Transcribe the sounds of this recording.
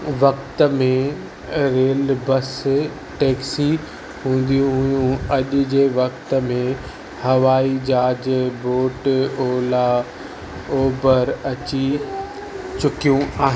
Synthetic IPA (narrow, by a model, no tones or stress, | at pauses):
ʋɐkt̪ə̆mẽ | ɾeːlbɐs | ʈeːksi | ɦũːn̆d̪ijũɦʊjũɐʄʊ̆d͡ʑeːʋɐkt̪əmẽ | hɐʋaːid͡ʑaːd͡ʑboːʈoːla | oːbəɾɐt͡ɕi | t͡ɕʊkijũaːɦ